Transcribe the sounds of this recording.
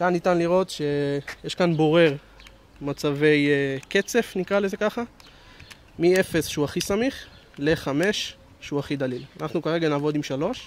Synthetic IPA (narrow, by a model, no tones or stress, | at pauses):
kannːitanliʁo̞tʃe̞jeʃkanbo̞ʁe̞ʁ | mat͡save̞jke̞t͡se̞fnikʁale̞ze̞kaχa | mie̞fe̞sʃeuaχisamiχ | le̞χame̞ʃ | ʃeuaχid̪alilanaχnukaʁe̞ɡanaːvo̞dimʃalo̞ʃ